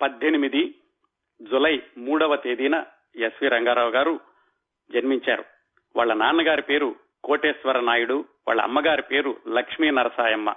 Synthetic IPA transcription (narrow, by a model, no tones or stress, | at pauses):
pɐd̪ʱːenimid̪i | d͡ʒulɐjmuːɽɐʋɐt̪eːd̪iːnɐ | jesʋiɾɐŋɡaːɾaːʋɡaːɾu | d͡ʒɐnmiɲt͡ʃa̰ːɾṵ | ʋaːɭːɐnaːnɐɡaːɾipe̞ːɾu | koːʈeːsʋɐɾɐnaːjuɽuʋa̰ːɭːɐ̰ɐ̰mːɐɡaːɾipe̞ːɾulɐkʂmiːnɐɾɐsaːjɐmːɐ̰